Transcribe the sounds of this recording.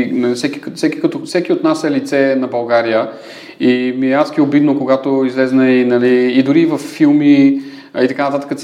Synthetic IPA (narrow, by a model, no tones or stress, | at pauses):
fsɛkʲi̥kfsɛki̥kɐt̪ofsɛkiot̪nasɛlit̪sɛnɐbɐlˠɡaɾijə | imiasɡʲiobid̪nokoɡat̪oizlɛznəinɐliːd̪ʊɾiːvɐfːilˠmi | it̪ɐkanət̪at̪ə̥kəs